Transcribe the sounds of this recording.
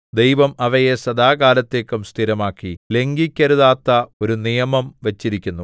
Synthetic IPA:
d̪e̞jʋɐmɐʋɐjesɐd̪aːɡaːlɐt̪ːeːkːumst̪ʰiɾɐmaːkːile̞ŋɡikʲːɐɾuðaːt̪ːɐo̞ɾunijɐmɐmʋɐt͡ɕːiɾikʲːunːu

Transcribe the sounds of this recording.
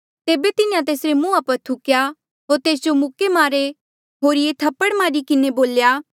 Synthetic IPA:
t̪eːbet̪ɪnɪjãt̪eːsɾemũːapɐɾt̪ʰʊkja | ɦoːɾt̪eːs̬d͡ʒomʊkemaːɾe | ɦoːɾɪjet̪ʰɐpːəɽmaːɾikɪneboːljaː

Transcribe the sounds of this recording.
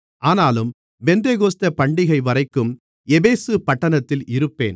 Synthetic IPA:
ʔaːnaːlɯm | ʋɛnd̪eːɣoːst̪ɐpɐɳɖɪɣɐɪʋɐɾɐɪkːɯm | ɛbeːsɯpɐʈːɐnɐt̪ːɪlʔɪɾɯpːḛːn

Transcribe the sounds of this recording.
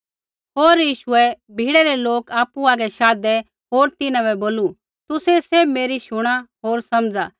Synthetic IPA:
ɦoːɾjiːʃʊɛ | bʱiːɽɛɾɛloːkaːpuaːɡɛʃaːd̪ɛ | ɦoːɾt̪ɪnãbɛboːlu | t̪ʊsɛseːbmeːɾiʃʊɽ̃aɦoːɾsɐmd͡zaː

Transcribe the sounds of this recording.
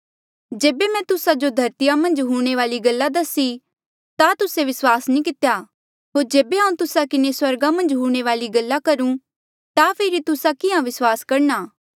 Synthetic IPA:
d͡ʒeːbemɛ̃ːt̪ʊsad͡ʒod̪ʱɐɾt̪ijamɐ̃nd͡ʒɦuːɽ̃eʋaːliɡɐlːad̪ɐsi | t̪at̪ʊseʋɪswaːsnĩːkɪt̪ejaː | ɦoːɾd͡ʒeːbeɦãũt̪ʊsakɪneswɐɾɡamɐ̃nd͡ʒɦuːɽ̃eʋaːliɡɐlːakɐɾũ | t̪apʰɪːɾit̪ʊsakɪãʋɪswaːskɐɾnaː

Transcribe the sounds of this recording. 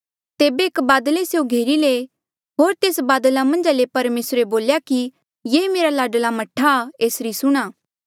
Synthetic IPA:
t̪eːbeːkbaːd̪əleseoɡʱeːɾile | ɦoːɾt̪eːsbaːd̪lamɐ̃nd͡ʒaːlepɐɾmeːsɾeboːljaki | jeːmeːɾalaːɖlamɐʈʰːaeːsɾisʊɽ̃aː

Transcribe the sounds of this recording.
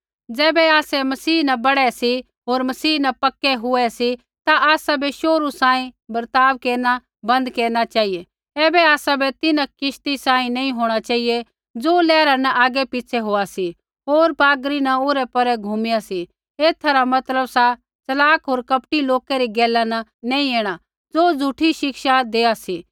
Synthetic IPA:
d͡zɛːbɛaːsɛmɐsiːnɐbɐɽɛsi | ɦoːɾmɐsiːnɐpɐkːɛɦʊɛsi | t̪aʔaːsabʱeʃoːɾusãːĩbɐɾt̪aːʋkeːɾna | bɐ̃nd̪keːɾñat͡ʃaːie | ɛːbɛaːsabʱet̪ɪnãkɪʃt̪isãːĩnɐ̃ĩɦoːɽ̃at͡ʃaːie | d͡zoːlɛːɾanɐʔaːɡɛpɪt͡ʃʰɛɦoːasi | ɦoːɾpaːɡɾinɐoːɾɛpɐɾɛɡʱumɪjasi | eːt̪ʰaɾamɐt̪ləbsa | t͡sɐlaːkɦoːɾkɐpʈiloːkɛɾiɡɛːlanɐnɐ̃ĩeːɽ̃a | d͡zoːd͡zʱʊʈʰiʃɪkʃad̪eːasiː

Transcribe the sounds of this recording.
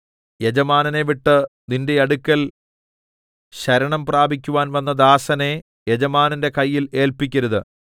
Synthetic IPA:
jed͡ʑɐmaːnɐne̞ʋiʈːɨninde̞ɐɽukʲːɐl | ɕɐɾɐɳɐmpraːbʱik̬ʲːuʋaːnʋɐnːɐd̪aːsɐne̞ | jed͡ʑɐmaːnɐnde̞kɐjːile̞ːlpikʲːɐɾuðɨ

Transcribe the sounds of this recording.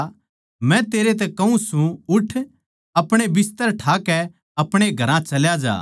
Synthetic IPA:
mɛ̃t̪eːɾet̪ɛkɐũsũʊʈʰ | ɐpɽ̃ebɪst̪əɾʈʰaːkɛ | ɐpɽ̃eɡʱɐɾãt͡ʃɐljad͡ʒa̰ː

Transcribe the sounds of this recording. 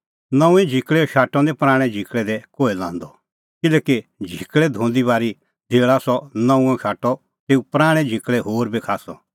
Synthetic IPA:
nɐ̃ũɛ̃d͡ʒʱɪkɭɛʃaːʈɔ̃nɛpɾaːɽ̃ɛ̃d͡ʒʱikɭɛd̪ɛkoːelã̰ːnd̪ɔ | kɪlɛːkid͡ʒʱikɭɛd̪ʱõːnd̪ibaːɾi | d̪ʱeːɭasɔnɐ̃ũɛ̃ʃaːʈɔ | t̪eːũpɾaːɽ̃ɛ̃d͡ʒʱikɭɛɦoːɾbikʰaːsɔ̰

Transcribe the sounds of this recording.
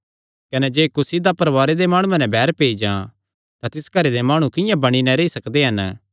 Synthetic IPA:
kɐnɛd͡ʒeːkʊsid̪apɐɾʋaːɾed̪emaːɽ̃ũɛ̃nɛ̃bʱɛːɾpeːid͡ʒã | t̪at̪ɪskɐɾed̪emaːɽ̃ũkɪjãbɐɽ̃inɛ̃ɾeːisɐkd̪eɦɐn

